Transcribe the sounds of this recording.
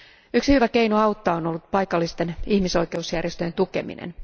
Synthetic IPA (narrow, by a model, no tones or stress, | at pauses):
yksihyʋæke̞inuɑwt̪ːɑonolːut̪̚pɑjkɑlːist̪e̞nihmiso̞jke̞usjærjest̪øjent̪uke̞̰mḭnḛn